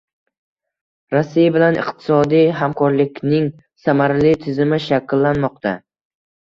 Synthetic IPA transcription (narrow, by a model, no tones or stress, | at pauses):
ɾasːijabɪlanʔɪ̰qt̪ʰɪ̥sɒd̪ijɦamkʰɒɾlɪkʲnɪŋ | samaɾlɪt̪ʰɪzɪmɪʃakʲlːanmɒq̚t̪ʰa